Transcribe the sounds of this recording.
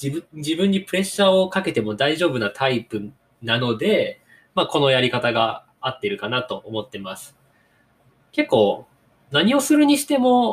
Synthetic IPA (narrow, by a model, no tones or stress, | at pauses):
iɯd͡ʑibɯ̟̃ɲ̟ːipɯ̟ɾe̞ɕːao̞kake̞t̪e̞mo̞d̪aiʑo̞ːbɯ̟nat̪ʰaipɯ̟ | nano̞d̪e̞ | mako̞no̞jaɾʲikat̪aɡa | at̪ːe̞ɾɯ̟kanat̪o̞ʔomo̞t̪ːe̞masɨ̥ | ke̞kːo̞ː | naɲ̟io̞sɨɾɯ̟ɲ̟iɕi̥t̪e̞mo̞